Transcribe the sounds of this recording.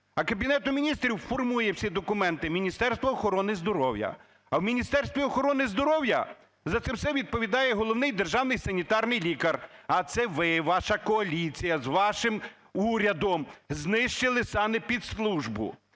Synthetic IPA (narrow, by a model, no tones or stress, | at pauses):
ɐkɐbʲinɛt̪ʊmʲinʲist̪ɾʲiwfɔrmujɛwsʲid̪ɔkʊmɛnt̪ɪmʲinʲist̪ɛrst̪ʋɐːxɔɾɔnɪzd̪ɔɾɔwjɐ̰ | ɐwmʲinʲist̪ɛrst̪ʋʲiɔxɔɾɔnɪzd̪ɔɾɔwjɐ̰ | zɐt̪sɛwsɛʋʲid̪̚pɔʋʲid̪ɑjɛɦɔlˠɔwnɪjd̪erʒɑwnɪjsɐnʲit̪ɑrnɪjlʲikɐrɐt̪sɛʋɪʋɑʃɐkɔɐlʲit͡sʲijɐzʋɑʃɪm | uɾʲɐd̪ɔmznɪʃt͡ʃɪlˠɪsɑmɪpʲid̪slˠuʒbʊ̰